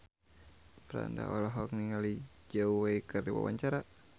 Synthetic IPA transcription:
fɾa̰nda̰ʔɔlɔɦɔk̚niŋalid͡ʒəwweikɨrdiwa̰waɲt͡ʃaɾa

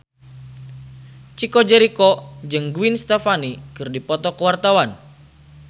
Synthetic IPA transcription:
t͡ʃikɔd͡ʒɛɾikɔd͡ʒɨŋɡuinst̪ɛfanikɨrdipɔt̪ɔkəwart̪awan

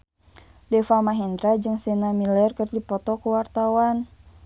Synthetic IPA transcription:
dɛfamaɦɛnd̪ɾad͡ʒɨŋsɛnamilɛrkərdipɔt̪ɔkuwart̪awan

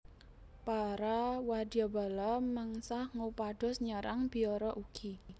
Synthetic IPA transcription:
paɾawad̪i̤aba̤laməŋsahŋupaɖ̥ɔ̤sɲəɾaŋb̥i̤ɔɾɔʔuɡ̥i

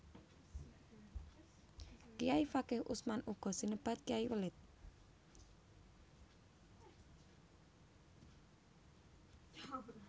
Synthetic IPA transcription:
kijaifakɛhʔṵsmanuɡ̥ɔ̤sinəb̥a̤t̪̚kijaiwəlɪt̪̚

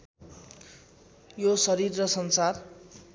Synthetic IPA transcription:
josʌɾirːʌsʌnsar

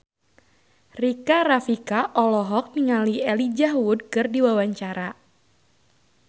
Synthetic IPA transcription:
rikaɾafikaʔɔlɔɦɔk̚miŋaliɛlid͡ʒaɦwud̚kɨrdiwawaɲt͡ʃaɾa

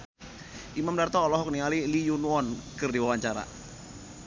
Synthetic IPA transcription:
ʔimamdart̪ɔːlɔɦɔk̚nialilijunuɔnkɨrdiwawaɲt͡ʃaɾa̰

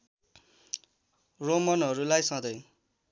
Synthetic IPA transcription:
romʌnɦʌɾulajsʌ̃d̪ʌj

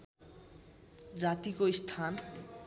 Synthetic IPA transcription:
d͡ʑat̪ikoist̪ʰan

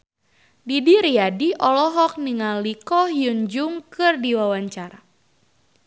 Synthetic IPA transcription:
didiɾiadiʔɔlɔɦɔk̚niŋalikɔhjuɲd͡ʒuŋkɨrdiwawaɲt͡ʃaɾa

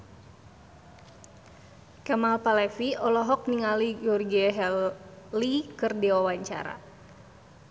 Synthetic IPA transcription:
kamalpalɛfiɔlɔɦɔk̚niŋaliɡɔrɡiɛɦɛlikɨrdiwawaɲt͡ʃa̰ɾa̰

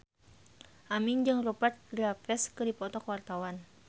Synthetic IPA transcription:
ʔamɪnd͡ʒɨŋropat̪̚ɡɾapɛskɨdipɔt̪ɔkwart̪awan

